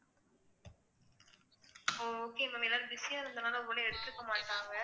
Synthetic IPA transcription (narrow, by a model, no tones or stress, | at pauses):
oːkeːɪʋɐʋelːaːɾɯbɪsɪjãːɪɾɯnd̪ɐnaːlɐɔʋːɐleɛɽɯt̪ːɪɾɯkːɐmaːʈːaːŋɡɐ